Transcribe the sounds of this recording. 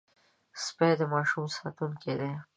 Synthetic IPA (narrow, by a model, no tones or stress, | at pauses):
sped̪əmɑːʃumsɑ̰ːt̪unked̪e